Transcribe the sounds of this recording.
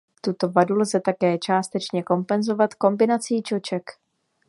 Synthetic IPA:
t̪ut̪o̞vadulzɛt̪akɛːt͡ʃaːst̪ɛt͡ʃɲɛko̞mpɛnzo̞vat̪ko̞mbɪnat͡siːt͡ʃo̞t͡ʃɛk

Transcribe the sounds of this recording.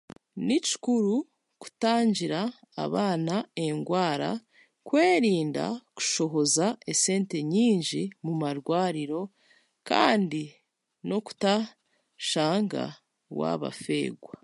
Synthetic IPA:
nici̥kuɾu | ku̥taːɲɟiɾa̰ː | βaːnae̞ŋɡwaːɾa̰ | kwe̞ːɾiːnda̰ku̥ʃo̞ɦo̞zae̞se̞ːnte̞ɲiːɲɟimumaɾɡwaːɾiɾo̞ | ka̰ːndi | no̞ku̥ta | ʃaːŋɡa̰ | wa̰βa̰fe̞̰ːɡwa

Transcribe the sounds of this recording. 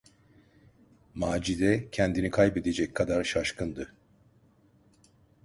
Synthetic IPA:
maːd͡ʒizɛcʰɛnd̪inikʰajbe̞d̪e̞d͡ʒɛc̚kʰad̪aɾʃaʃkʰɯnd̪ɯ

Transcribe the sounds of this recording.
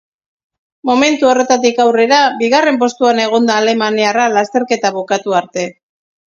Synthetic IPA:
mo̞me̞nt̪uo̞re̞t̪at̪ikawre̞ɾabiɣare̞mpo̞st̪uane̞ɣ̞o̞nd̪aːle̞maniaralast̪e̞ɾke̞t̪aβokat̪uaɾt̪e̞

